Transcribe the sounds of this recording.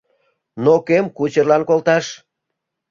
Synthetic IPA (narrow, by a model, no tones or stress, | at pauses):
nokemkut͡ɕərlɑnkolt̪ɑʃ